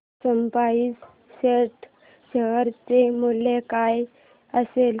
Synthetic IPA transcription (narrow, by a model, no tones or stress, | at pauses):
səmpait͡s | ɕeʈ | ɕəɦəɾt͡semulekaj | əsel